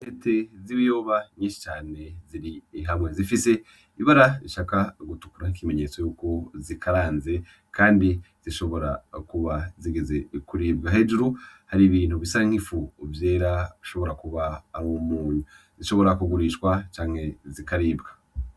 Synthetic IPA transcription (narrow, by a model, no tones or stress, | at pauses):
netʰe̞ziβijo̞ːβaɲiːnʃi̥t͡ʃaːne̞ziɾiːɦamŋe̞zifise̞ | iβaɾaiʃakaɡutu̥kuɾanikime̞ɲe̞t͡so̞juːko̞zikʰaɾaːnze̞ | kaːndi | z̥iʃo̞βo̞ɾakuβaziɡeze̞kuɾiːb̚ɡaɦe̞ːd͡ʒuɾuhaɾiβiːn̥uβisaiŋ̥hifuːvje̞ːɾaβiʃo̞βo̞ɾakuβaːɾomuːɲu | ziʃo̞βo̞ɾakuɡuɾiʃkwat͡ʃaːŋ̥e̞zikaɾiːbɡa